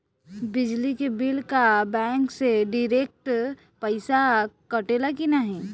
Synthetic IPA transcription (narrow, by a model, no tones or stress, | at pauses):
bɪd͡ʒlikebɪlkabɛ̃ːŋkseɖiɾek̚ʈ | pəɪsakəʈeːlakinaɦĩ